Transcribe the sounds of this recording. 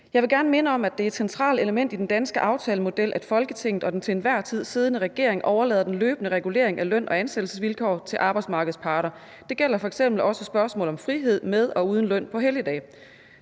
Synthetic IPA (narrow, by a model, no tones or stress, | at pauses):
jɑ̈ɪʋe̝ɡæɐnəme̝nəɒ̽mæd̥e̝æɐed̥sent͡sʰʁɑ̰̈ːle̝ləmen̰d̥id̥end̥ænsɡ̥əʔɑ̈ʊt͡sʰɛːləmo̝d̥el̰ʔæd̥fɒ̽lɡ̥ət͡sʰe̝ŋ̰ð̩ˠɒ̽d̥ent͡sʰe̝nʋæɐ̰t͡sʰið̞̰ˠsiːð̞ˠnəʁɛɡ̥e̝ɐ̰e̝ŋʔɒʊɐlɛ̰ːðˠɐd̥enløːb̥nəʁɛɡ̥ule̝̰ɐ̰eŋælœn̰ʔɒ̽ænsed̥l̩səsʋilkʰɒ̰ːt͡sʰe̝lʔɑ̈ːb̥ɑɪdsmɑ̈ːɡ̥əð̞̩ˠspʰɑ̈ːɾ̥ɐ | d̥e̝ɡ̥el̰ɐfɒ̽eɡ̥sem̰b̥l̩ɒ̽səsb̥ɶɐsmɔ̰̽ːlɒ̽mfʁiɦe̝ð̞̰ˠmeð̞ˠɒ̽uːð̞ˠn̩lœn̰pʰɒ̽ɦeljəd̥ɛ̰ː